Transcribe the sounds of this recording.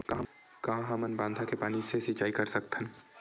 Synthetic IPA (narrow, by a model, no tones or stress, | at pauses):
ka | kɐɦãɦɐmənbãːnd̪ʱakepaːnisesit͡ʃaːikɐɾsɐk̚t̪ɦɛ̃